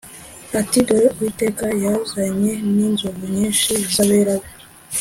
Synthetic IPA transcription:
atidoɾwiteːkajazaɲe̞ninzoɡuɲiːnʃizaβeɾaβe

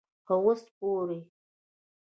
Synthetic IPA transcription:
pəwosp̚oɾe

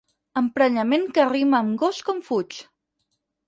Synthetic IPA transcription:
əmpɾəʎəmeŋkəːriməːmɡɔskɔɱfut͡ʃ

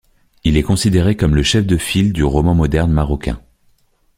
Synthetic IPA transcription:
ilɛkɔ̃sid̪eʁekɔmləʃɛfd̪əfild̪yʁɔmɑ̃mɔd̪ɛʁnmaʁɔkʲɛ̰̃

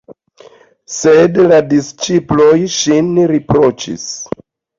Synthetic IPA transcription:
sedladist͡ʃiplojʃinɾipɾo̞t͡ʃḭs

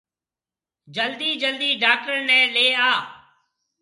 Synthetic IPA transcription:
d͡ʒəld̪iːd͡ʒəld̪iːɖaːk̚ʈəɾnɛ̃ːleːaː

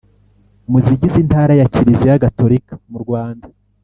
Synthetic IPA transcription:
umuziɟizintaːɾajaciɾizejaɡato̞ɾikḁmuɾɡwaːnda

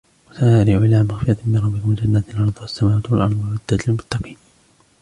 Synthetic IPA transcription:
wasaɾɪʕɪlaːmaɣfɪɾˤɑt̪mːɪnɾˤɑbːɪkʊmɪnd͡ʒanːat̪lʕɑɾˤd̪ˤʊasːamaːwaːt̪walʔɑɾˤd̪alwad̪ːaːt̪almʊt̪ːɑqiːn

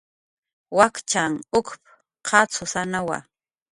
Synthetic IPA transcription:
wakt͡ʃaŋʊkp | qʰɑt͡sʰʊsanawa̰

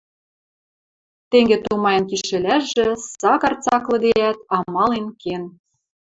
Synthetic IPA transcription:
t̪eŋɡet̪umɑjɤ̆nkiʃʃĕlʲæʃʒĕsɑkɑrt͡sɑklɤ̆d̪eæt̪ɑmɑlenken

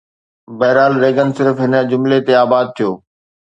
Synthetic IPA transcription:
bɛːɾaːlɾeːɡənsɪɾfɦɪnə̆d͡ʑʊmlet̪eaːbaːd̪̚t̪ʰijoː

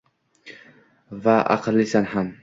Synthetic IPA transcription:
vaʔa̰qlːisanham

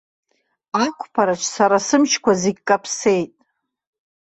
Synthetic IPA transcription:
akʷʰʼpʰaɾaʈ͡ʂʰsaɾasɨmt͡ʃʰkʷʰazeɡʲkʼapʰse̞jtʼ

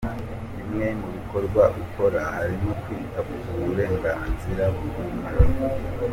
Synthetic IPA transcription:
imŋe̞ŋuβiko̞ɾɡwaukʰo̞ɾahaɾimokwiːtakuɡuβuɾe̞ːŋɡaːnziɾaβɡuβumuɾa

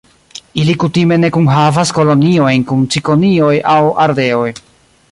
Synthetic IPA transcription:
ilikutime̞ne̞kunɦavasko̞lo̞nio̞jnkunt͡siko̞nio̞jʔawaɾde̞o̞j

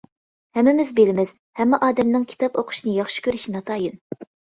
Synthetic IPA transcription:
hɛmːɪmɪzbelɪmɪz̥ | hɛmːɛʔɑːd̪ɛmnɨŋkʲʰi̥t̪ɑpoqʰʊ̥ʃinɨjɑχʃi̥kʲøɾyʃinɑt̪ʰɑːjɨn

